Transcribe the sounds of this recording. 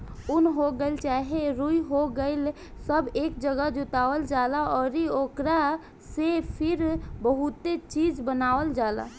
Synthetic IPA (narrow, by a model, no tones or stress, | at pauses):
ʊnɦoɡəɪlt͡ʃaːɦeɾuiɦoɡəɪl | səbeːkd͡ʒəɡad͡ʒut̪aːʋəld͡ʒaːlaɔːɾioːkɾa | sepʰɪɾbəɦut̪et͡ʃiːd͡ʒbənaːʋəld͡ʒaːla̰